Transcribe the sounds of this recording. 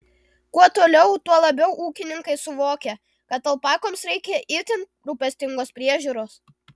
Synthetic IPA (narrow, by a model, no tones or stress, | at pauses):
kuɔt̪oːlʲɛʊt̪uɔlˠɐbʲɛʊʔuːkʲɪnʲɪŋkɐɪsʊʋoːkʲɛ | kɐt̪ɐlˠpɑːkoːmsɾʲɛɪkʲɛʔɪɾʲt̪ʲɪnʲt̪̚ʲɾuːpʲɛsʲt̪ʲɪŋɡoːspʲɾʲiɛʒʲuːɾoːs